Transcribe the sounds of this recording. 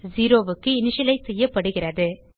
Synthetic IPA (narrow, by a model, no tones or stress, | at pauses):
ziːɾoːʋɯkːɯɪnɪʂɐlɐɪsɛjːɐpːɐɽɯɣɪrɐðɯ